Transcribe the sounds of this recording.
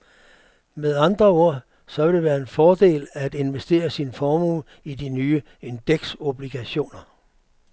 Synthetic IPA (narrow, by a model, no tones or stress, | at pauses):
meðˠɑ̈nd̥ʁɐo̝ɐ̰ | sɒ̽ʋe̝d̥e̝ʋæːɐe̝nfɒːd̥e̝̰ːlæd̥e̝nʋesd̥e̝̰ːɐsinfɒːmuːl | id̥inyːə | e̝nd̥eɡ̥so̝b̥liɡ̥æɕo̝̰ːnɐ